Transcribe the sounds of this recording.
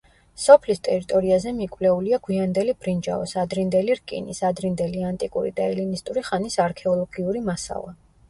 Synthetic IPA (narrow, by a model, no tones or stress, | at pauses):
sɔpʰlist̪ʼɛɾit̪ʼɔɾiazɛmikʼwlɛuliaɡwiand̪ɛlibɾind͡ʒa̰ɔ̰sad̪ɾind̪ɛliɾkʼḭnisad̪ɾind̪ɛliant̪ʼikʼṵɾḭd̪aɛlinist̪ʼuɾiχanisaɾkʰɛɔlˠɔɡiuɾimasa̰lˠa